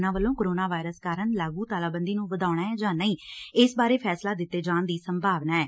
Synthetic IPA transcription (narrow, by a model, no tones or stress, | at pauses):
nãːʋəlːõːkoɾoːnaːʋaːɪɾəskaːɾəɳlaːɡuːt̪aːlaːbənd̪iːnũːʋəd̪aːʊɽ̃aːɛːd͡ʒãːnəĩːɪsbaːɾeːpʰɛːslaːd̪ɪt̪ːeːd͡ʒãːnd̪iːsəmbʱaːʋnaːɛː